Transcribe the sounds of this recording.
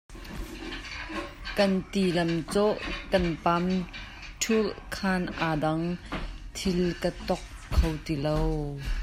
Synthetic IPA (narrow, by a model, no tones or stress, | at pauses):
kɐnt̪ilɐmt͡sɔʔkɐnpam | tʰulkʰaːnʔaːdɐŋt̪ʰɪlkət̪ɔkʰːowt̪ilow